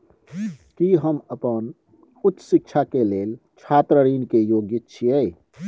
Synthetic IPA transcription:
kiɦəməpən | ut̪ːə̥sik̚t͡ʃʰakeleːlt͡ʃʰat̪ɾəɾiːnkejoɡjit̪̚t͡ʃʰiəj

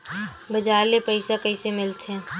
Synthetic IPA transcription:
bəd͡ʒaːɾlepəɪsakəɪsemɪlt̪ɛ̃

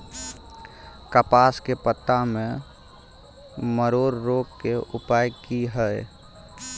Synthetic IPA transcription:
kəpaːskepət̪ːamẽ | məɾoːɾːoːɡkeʔʊpaːjkiɦəe

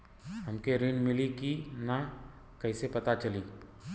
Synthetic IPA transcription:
ɦɐmkeɾɪnmɪlikina | kɐɪsepɐt̪at͡ʃɐliː

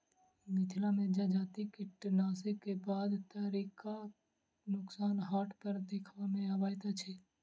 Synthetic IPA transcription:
mɪt̪ʰlamẽd͡ʒad͡ʒaːt̪ikɪʈnaːsekebaːd̪t̪aɾika | nʊksaːnɦaːʈpəɾd̪eːkʰʋamẽabaːjt̪at͡ʃʰɛ

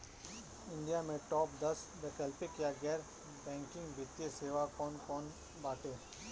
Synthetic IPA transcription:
ɪ̃ɳɖijamẽʈɔːpd̪ɐsɖɛkəlpekjaɡɛːɾ | bɛ̃ːŋkɪ̃ŋɡbɪt̪jeseːʋakɔːnkɔːn | baːʈeː

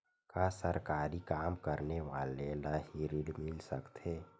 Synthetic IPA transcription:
kaːsəɾkaːɾikaːmkəɾneʋaːlelaɦiɾiɽmɪlsəkt̪eː

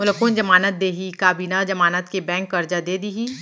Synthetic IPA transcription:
mʊləkund͡ʒɐmaːnət̪̚d̪eːɦikaːbiːnad͡ʒɐmaːnət̪kebɛ̃ːŋkːɐɾd͡ʒad̪eːd̪iɦiː

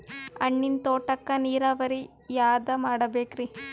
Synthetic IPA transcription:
ɐ̰ɳːint̪oːʈɐkːɐniːɾaʋɐɾi | jaːd̪ɐmaːɽɐbeːkɾi

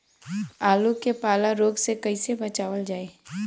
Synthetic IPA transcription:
aːlukepaːlaɾoːɡsekɐisebɐt͡ʃaːʋəld͡ʒaːeː

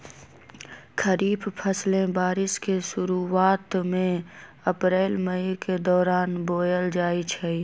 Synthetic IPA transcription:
kʰəɾiːbpʰəslẽbaːɾɪskeʃʊɾuaːt̪mẽ | əpɾeːlməiked̪ɔːɾaːnboːjəld͡ʒaːit͡ʃʰɛi

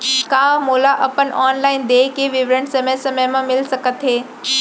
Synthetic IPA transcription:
kaːmoːlaʔəpəɳaːnlaɪnd̪eːkiʋɪʋɾəɳsəməjsəməjmãmɪlsəkət̪ɦeː

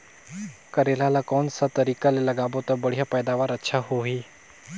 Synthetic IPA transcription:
kəɾelalakɔːnsat̪ɐɾiːkalelɐɡaːbot̪abəɽ̤ijapɛːd̪aːʋaːɾətːʃʰaɦoɦiː

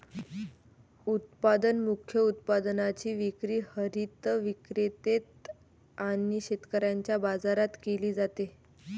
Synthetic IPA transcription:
ut̪̚pad̪ənmukʰjəut̪̚pad̪nat͡ɕiːʋikɾiːhəɾit̪əʋikɾet̪et̪ | aniɕet̪kəɾjaɲt͡ɕjabad͡zaɾat̪keliːd͡zat̪e

